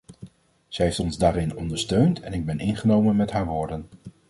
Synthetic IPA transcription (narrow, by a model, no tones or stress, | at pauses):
z̥ɛɦejftɔnzdaːɾɪnɔ̰ndəɹstøɥntʰɛnɪɡ̚bɛnɪnχənowmənmɛtɦaːɹʋoːɹdən